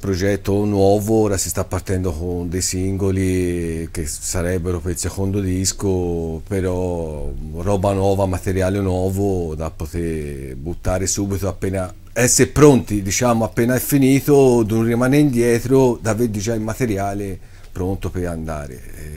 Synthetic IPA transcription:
pɾod͡ʒɛt̪ːonwɔːvoɔːɾasist̪apːart̪ɛnd̪okond̪ejsiŋɡolik̟esːaɾɛbːeɾopeɾilsexond̪od̪iskopeɾɔ | rɔːbanwɔːvamat̪eɾjaːlenwɔːvod̪apːot̪eɾbut̪ːaːɾesuːbit̪oapːeːna | ɛsːeɾpɾont̪id̪it͡ʃaːmoapːeːnaɛfːiniːt̪od̪unrimaːneind̪jɛːt̪ɾod̪aved̪id͡ʒaimat̪eɾjaːle | pɾont̪opeɾand̪a̰ːɾḛ

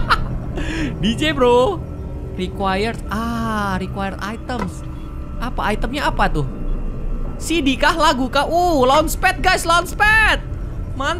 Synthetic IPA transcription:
did͡ʒebɾo | rikwajərtarikwajəra̰it̪əms | ʔapaːjt̪əmɲaapat̪ʊh | sidikahlaɡukaʔulanspɛt̪̚ɡajslanspɛt̪̚ | man

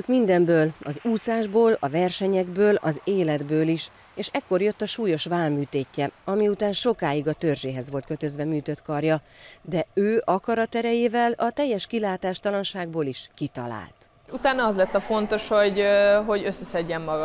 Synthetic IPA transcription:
k̪mind̪ɛmbøːlɒzuːsaːʒboːlɒvɛrʃɛɲɛɡbøːlɒ̰zeːlɛd̪bøːliʃ | eːʃɛkːo̞rjø̞t̪ːɒʃuːjo̞ʃʋaːlmyːt̪eːcːɛɒmiut̪aːnʃo̞kaːiɡɒt̪ørʒeːɦɛzʋo̞lt̪kø̞t̪ø̞zvɛmyːt̪ø̞t̪kɒrjɒd̪ɛøːʔɒkɒɾɒt̪ɛɾɛjeːvɛlɒt̪ɛjːɛʃkilaːt̪aːʃt̪ɒlɒnʃaːɡboːliʃkit̪ɒ̰la̰ːlt̪ | ʃut̪aːnɒɒzlɛt̪ːɒfo̞nt̪o̞ʃho̞ɟɦo̞ɟøsːɛsɛɟːɛmːɒɡ

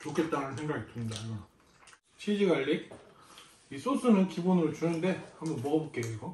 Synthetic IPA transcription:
t͡ɕokʰe̞t̚t͈aɾansʰe̞ŋɡaɡitɯɲidajo | t͡ɕʰid͡ʑiɡaʎːik̚ | is͈os͈ʰɯnɯnkibonɯɾot͡ɕunɯnde̞hambʌnmʌɡʌbok͈eɡo

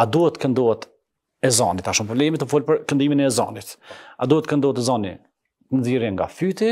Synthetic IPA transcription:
ad̪uɛt̪ːkɛnd̪ɔɛt̪ | ɛzɔnit̪aʃumpɾɔblɛmit̪əfulpəɾkənd̪iminɛːzɔ̰nit̪ad̪uhɛt̪əkɛnd̪ɔɛt̪ɛzɔnḭ | t̪ənziɾjɛŋɡa̰fyt̪i

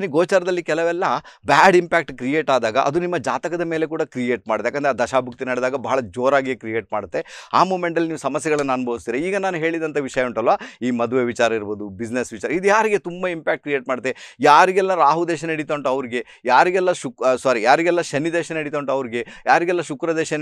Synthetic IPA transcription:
niɡoːt͡ʃaːɾɐd̪ɐlːikɛlɐʋɛlːɐbaːɖimpaːk̚ʈkɾije̞ːʈaːd̪aːɡɐ̰ʔɐ̰d̪unimːɐd͡ʒaːt̪ɐkɐd̪ɐme̞ːlek̬uːɽɐkɾijeːʈ̚maːɽd̪ejakːɐnd̪ɾeaːd̪ɐʃaːbʱuk̚t̪inɐɽɛd̪aːɡɐbɐɦɐɭɐd͡ʒoːɾaːɡijekɾijeːʈ̚maːɽut̪ːeaːmuːmeɳʈɐlːiniːʋusɐmɐsjɐɡɐɭɐnːɐnbʱɐʋust̪iːɾeiːɡɐnaːnuɦe̞ːɭid̪ɐnt̪ʰɐʋiʂɐjɐuɳʈɐlʋaːiːmɐd̪uʋeʋit͡ʃaːɾɐiɾboːd̪ubid͡ʒnesʋit͡ʃaːɾɐid̪ujaːɾiɡe̞t̪umbɐimpaːk̚ʈ̚kɾijeːʈ̚maːɽut̪ːejaːɾiɡɛlːɐɾaːɦud̪eːʃɐnɐɽit̪oːɳʈuɐʋɾiɡe̞ | jaːɾiɡɛlːɐʃuksaɾijaːɾiɡɛlːɐʃɐnːid̪eːʃɐnɐɽit̪oːɳʈuɐʋɾiɡe̞jaːɾiɡɛlːɐʃukɾɐd̪ɛːʃɐn

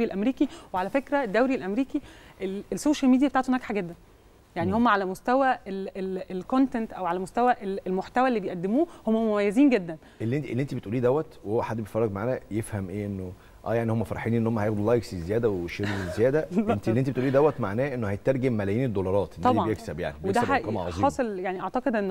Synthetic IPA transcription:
ilʔæmɾiːkiweʕalæfekɾæed̪ːæwɾilʔæmɾiːkiʔelesːoːʃælmid̪ijæbet̪aʕt̪uhenækħaɡæd̪ːæn | jaʕnihomːæʕalæmost̪æwæelelelkont̪ent̪ʔæwʕalæmost̪æwæʔelelmoħt̪æwæʔelːibejʔæd̪ːemuːhomːæmomæjːeziːnɡed̪ːæn | elːiʔenʔelːiʔent̪ibet̪ʔuːliːd̪æwːæt̪wehowːæħad̪ːbejfɑrˤːɑɡmaʕaːnæjefhæmʔeːʔenːo | ʔæ̰ːjaʕnihomːæfɑɾˤħiːnʔenːohomːæhæjexd̪ulɑjɡsizejæːd̪æweʃeɾezːejæːd̪æʔent̪ieːient̪ibet̪ʔuliːd̪æwːæt̪maʕnæːʔenːohæjet̪ːɑɾˤɡemːælæjiːned̪ːolɑɾˤɑːt̪ʔenːt̪ɑb̪ɑjeksæbja̰ʕnibweed̪æækɑmɑʕɑzˤiːɑːsˤeljaʕniʔɑʕt̪ɑqed̪ʔenː

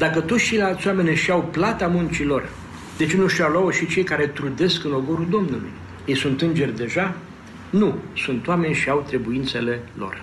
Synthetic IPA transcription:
d̪akət̪ot̪st͡ʃe̞jlealt̪sʲowame̞nʲʃiawplat̪amunt͡ʃilo̞r | d̪̥e̞t͡ʃe̞nuʃt̪ʲalawəʃit͡ʃe̞jkaɾe̞t̪ɾud̪e̞skɨnlo̞ɡoɾud̪o̞mnulṵj | jejsunt̪ɨnd͡ʒe̞rʲd̪e̞ʒa | nusunt̪oame̞nʲʃiawt̪ɾe̞buint̪se̞le̞lo̞̰r

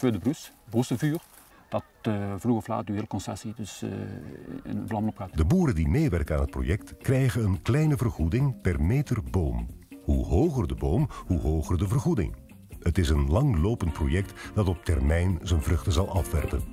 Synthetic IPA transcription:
føːdəbrysbusəvyːr | d̥ɑtvluɣɔfla̰ːt̚dyɦɪːləkɔnsɛsidɵs | ɪ̰nənvlɑmənɔpxadəbuːɾəndimeːʋɛrkənaːnɦət̚pro̰jɛktkrɛjɣəənklɛjnəvərɣudɪŋpɛrmeːtərboːmhuɦoːχərdəboːmhuɦoːχərdəvərɣudɪ̰ŋ | ɦətɪsənlɑŋloːpənt̚pro̰jɛk̚td̥ɑtɔp̚tɛrmɛjnzənvrɵχtəzɑlˠʔɑfʋɛrpə̰n

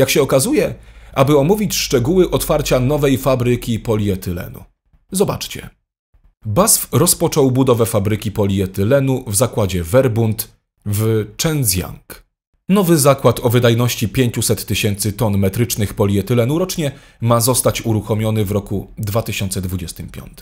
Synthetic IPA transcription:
jakɕɛɔkazujɛʔabɘɔmuvʲit͡ɕʂt͡ʂɛɡuwɘʔɔt̪faɾt͡ɕanɔvɛjfabɾɘkʲipɔlʲiɛt̪ʰɘlɛ̰nṵ | zɔba̰t͡ʂt͡ɕɛ̰ | basfɾɔspɔt͡ʂɔwbud̪ɔvɛfabɾɘkʲipɔlʲiɛt̪ɘlɛnuvzakwad͡ʑɛvɛɾbunt̪ | vt͡ʂɛnzʲja̰ŋk | nɔvɘzakwat̪ɔvɘd̪ajnɔɕt͡ɕipʲjeɲt͡ɕusɛt̪ːɘɕɛnt̪sɘt̪ɔnmɛt̪ɾɘt͡ʂnɘxpɔlʲiɛt̪ɘlɛnuɾɔt͡ʂɲɛ | mazɔst̪at͡ɕuɾuxɔmʲjɔnɘvɾɔkud̪vat̪ɘɕɔnt̪sɛd̪vud͡ʑɛst̪ɘmpʲjɔ̰nt̪m

